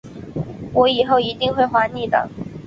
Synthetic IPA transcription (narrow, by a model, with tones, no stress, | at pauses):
wɔ˧˥i˨˩xo˥˩ʊi˧˥t̪i˥˧ŋxwe˥˩ɪxwa˧˥ni˥˩t̪ɑ̰˨˩˦ŋ